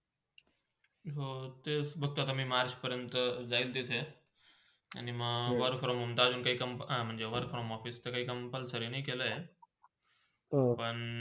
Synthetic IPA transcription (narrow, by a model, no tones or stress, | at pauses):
ɦot̪esbʱək̚t̪oat̪amĩːmaɾt͡ɕpəɾjənt̪d͡zailt̪it͡sʰe | a̰niməʋəɾfɾɔmɦũnt̪ad͡ʑunkaiːkəmpɦãm̤əɳd͡zeʋəɾɡfɾɔmɔfist̪ekaɦiːkəmpəlsəɾenɐikeləɦe | pəɳ